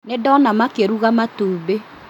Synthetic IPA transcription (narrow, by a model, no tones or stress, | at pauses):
nedɔnamakeɾuɣamatuːbe